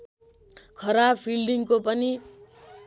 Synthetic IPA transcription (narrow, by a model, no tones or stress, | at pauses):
kʰʌɾapʰilɖiŋkopʌni